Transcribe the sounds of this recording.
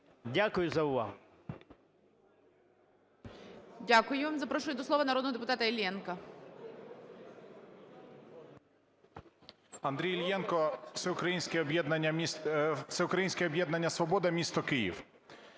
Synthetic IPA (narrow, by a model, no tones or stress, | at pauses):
dʲakʊjʊzɐʊʋɑ̰ɦʊ | dʲakʊjʊʋamzɐpɾɔʃʊjʊd̪ɔsˠɔʋɐnɐɾɔd̪nɔɦɔd̪epʊt̪ɑt̪ɐelʲjɛnkɐ | ɐnd̪ɾʲijlʲjɛnkɔsɛʊkɾɐjinʲsʲkʲɛɔbjɛd̪nɐɐ̥ | sɛʊkɾɐjinʲsʲkʲɛɔbjɛd̪nɐnʲːɐsʋɔbɔd̪ɐmʲist̪ɔkɪjḭw